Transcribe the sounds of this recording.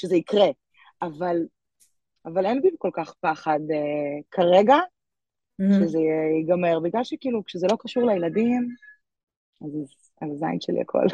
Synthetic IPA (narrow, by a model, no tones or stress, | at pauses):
ʃezeikʁe | aval | avalenbimko̞lkaχpaχad̪ekʰaʁeɡa | ʃezejɛiɡameʁbiɡlalʃekiːlukʃezelokaʃuʁlejladim | azz | azazajnʃelḭa̰kʰo̰l